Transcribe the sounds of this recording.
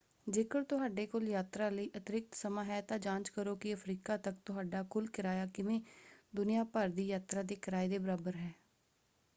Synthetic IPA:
d͡ʒeːkəɽt̪ʊɦaːɖeːkʊljaːt̪ɾaːləiːʔət̪ɪɾɪk̚t̪səmãːɦɛːt̪ãːd͡ʒãːnt͡ʃkəɾoːkɪəpʰɾiːkaːt̪ək̚t̪ʊɦaːɖaːkʊlkɪɾaːjaːkɪʋẽːd̪ʊnɪjaːpəɾd̪iːjaːt̪ɾaːd̪eːkɪɾaːid̪eːbəɾaːbəɾɦɛː

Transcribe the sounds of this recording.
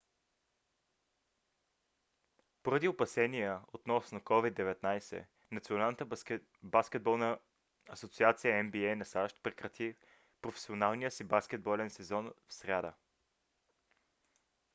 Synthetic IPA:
poɾɐd̪iopɐsɛniɛot̪nɔsnokɔvid̪ːɛvɛt̪najsɛ̰ | nɐt̪sionalˠnət̪ə | baskʲɛd̪̚bɔlˠnəː | sot̪siat̪sijəɛmbiɛjnɐsaʃt̪̚pɾɛkɾɐt̪ʰi | pɾofɛ̥sionalˠnijəsibaskʲɛd̪̚bɔlɛnsɛzɔnfsɾʲad̪ə̰

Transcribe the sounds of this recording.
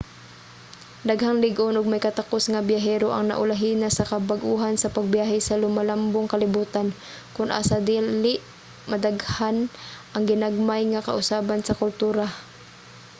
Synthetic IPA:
d̪aɡhaŋlɪɡʔonʔʊɡ̚majkɐt̪akosŋabjaɦɛːɾoʔa̰ŋna̰ʔʊlaɦiːnasɐkɐbaɡʔuːɦansɐpaɡ̚bjaːɦɛsalʊmalamboŋkɐlɪbuːt̪an | kʊnʔa̰ːsad̪iːlɪʔ | mad̪aɡhanʔɐŋɡɪnaɡ̚majŋakɐ̰ʔʊsaːbansɐkʊlt̪uːɾa

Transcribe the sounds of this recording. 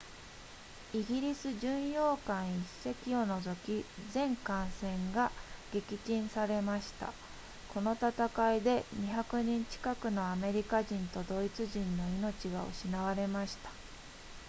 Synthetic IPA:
iɡʲiɾʲisɨʑɨ̃ɰ̃jo̞ːkãɰ̃ise̞kʲio̞no̞zo̞kʲizẽ̞ŋkãɰ̃sẽ̞ŋɡaɡ̥e̞kʲit͡ɕĩɰ̃saɾe̞maɕi̥t̪a̰ | ko̞no̞t̪at̪akaid̪e̞ɲ̟içakɯ̟ɲ̟ĩɲ̟t͡ɕi̥kakɯ̟no̞ame̞ɾʲikaʑĩnt̪o̞d̪o̞it͡sɨʑĩnːo̞ino̞t͡ɕiɡao̰ɕinaβaɾe̞maɕi̥t̪ḁ

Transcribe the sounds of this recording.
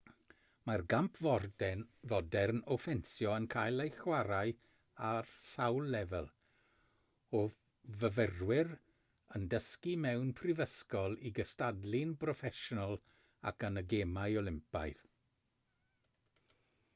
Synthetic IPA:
marɡampʰvɔrdɛnvɔdɛrnɔfɛnsjɔənkʰajlˠejxwaɾaj | arsawlːɛvɛlˠ | o | vəvərwɪɾ | əndəskimɛwnpʰrɪvəskɔlˠiɡəstadlɪnbrɔfɛʃɔnəlˠ | a̰kənəɡeːmajɔlˠɪmpa̰jð

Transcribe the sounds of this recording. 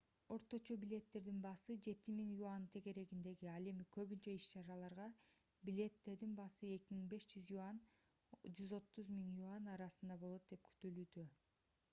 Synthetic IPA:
o̞ɾt̪o̞t͡ʃo̞bilʲe̞t̪ːe̞ɾd̪inbɑsɯd͡ʒe̞t̪imiŋjuant̪ʰe̞ɡe̞ɾe̞ɡind̪e̞ɡiɑle̞mikʰø̞βynt͡ʃøiʃt͡ʃɑɾɑlˠɑɾʁɑ | bilʲe̞t̪ːe̞ɾd̪inbɑsɯe̞kʲimiŋbe̞ʃd͡ʒyzjuan | d͡ʒyzo̞t̪ːuzmiŋjuanɑɾɑsɯnd̪ɑbo̞lˠo̞t̪̚d̪e̞p̚kʰy̥t̪ylyːd̪ø

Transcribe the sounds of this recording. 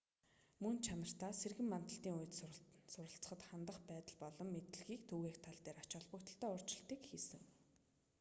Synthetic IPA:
mɵnt͡ɕʰanə̆r̥t̪aːserɣɘ̆mːant̪ə̆ɬt̪iːŋuj̆t̪sʊɾə̆ɬt͡sə̥̆χə̆t̪χant̪ə̆χpæːt̪ə̆ɮpɔɮɞ̆mːet̪ɘ̆ɮɣiːkt̪ʰuɣeːxt̪ʰaɮt̪eːɾat͡ɕɔːɮpə̆kt̪ə̆ɬt̪œːʊr̥t͡ɕɪ̆ɬt̪iːkxiːsɘ̆ŋ

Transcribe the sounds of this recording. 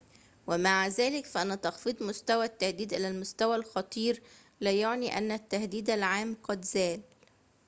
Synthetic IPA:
wɪmaʕzæːlɪkfæʔænæt̪ɑxfid̪ˤmʊst̪æwæt̪ːahd̪iːd̪ʔɪlælmʊst̪æwælxɑt̪ˤiːɾ | læːjoʕniʔænːæt̪ːahd̪iːd̪ælʕaːmqɑd̪zæːl

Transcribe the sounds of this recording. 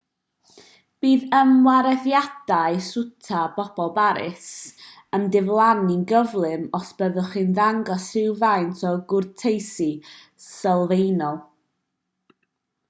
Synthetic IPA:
b̥iːðəmwaɾɛðjad̥aɨsʊtʰab̥ɔb̥ɔlˠbaɾɪ̰s | əmdɪvlˠaninɡəvlˠɨmɔsb̥əðʊχɨnðaŋɡɔsɪwvajntʰɔɡʊrtʰejsi | səlˠvejnɔlˠ

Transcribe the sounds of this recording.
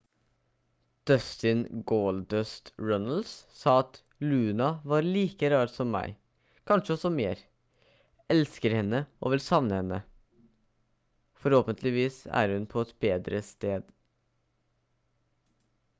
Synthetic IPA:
d̪̥œst̪ɪnɡoːld̪œst̪ɹɔnəl̩ssɑːɑt̪ | lʉːnɑʋɑːɾɭiːkəɾɑːɾsɔmːæ̰ɪ | kʰɑnʂəɔsɔmeːɾ | ɛlskəɾhɛnːəʔo̰ːʋɪlsɑʋnəhɛnːə | fɔɾhoːpənt̪ʰlɪʋiːsæ̰ːɾhʉnpʰɔɛt̪beːd̪ɾəst̪eːd̪

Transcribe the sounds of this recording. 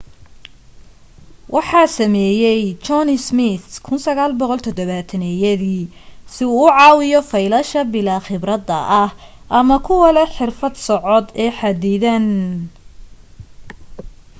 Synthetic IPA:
wʔɑħɑːsɐmɛːjɛjt͡ʃɔnɪsmɪt̪kʰʊnsɐɣaːlbɔqɔlt̪ʰɔd̪ɔβaːt̪ʰɐnɛjɐðiː | sɪuːʕɑːwɪjɔfɐjlɐʃɐbɪlaːχɪbrɐd̪ɐ̰ʔɐh | ʔɐmɐkʰʊwɐlɐħɪrfɐd̪sɔʕɔd̪ɛːħɑd̪iːðɐn

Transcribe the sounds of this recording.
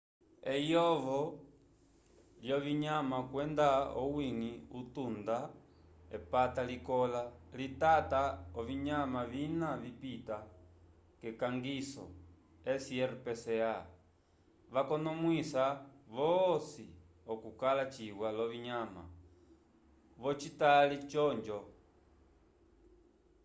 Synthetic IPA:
ɛjɔvɔ | ljɔβiɲamakwɛndaɔwiŋiutunda | ɛpatalikɔlalitataɔviɲamavinavipita | kɛkaŋɡisɔ̰ | ɛsiɛɾpɛsɛa | ʋakɔnɔmwisaʋɔsi | ɔkukalat͡ʃiɣwalɔβiɲama̰ | βɔt͡ʃitalit͡ʃɔɲd͡ʒɔ

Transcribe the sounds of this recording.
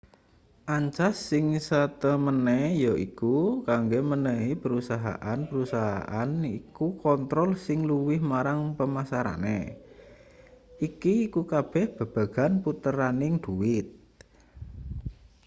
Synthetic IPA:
ʔaɲt͡ʃasːɪŋsat̪əmənɛjɔʔikukaŋɡemənəɦipəɾusaɦa̰ʔanpəɾusaɦa̰ʔanikukɔnt̪ɾɔlsɪŋluwɪhmaɾaŋpəmasaɾa̰nḛ | ikiːkukab̥ɛ̤hb̥a̤b̥a̤ɡ̥a̤nput̪əɾanɪŋd̪̥uwɪt̪̚

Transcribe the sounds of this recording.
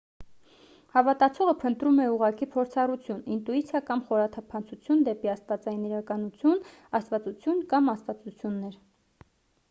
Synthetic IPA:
hɑvɑt̪ɑt͡sʰɔʁəpʰənt̪ɾumɛuʁɑkipʰɔɾt͡sʰɑrut͡sʰjunint̪uit͡sʰjɑkɑmχɔɾɑt̪ʰɑpʰɑnt͡sʰut͡sʰjund̪ɛpiɑst̪vɑt͡sɑjiniɾɑkɑnut͡sʰjunɑst̪vɑt͡sut͡sʰjunkɑmɑst̪vɑt͡sut͡sʰjunːɛɾ

